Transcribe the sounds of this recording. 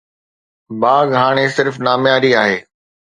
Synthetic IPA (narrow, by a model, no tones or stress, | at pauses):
baːɡɦaːɽ̃esɪɾfnaːmjaːɾiaːɦeː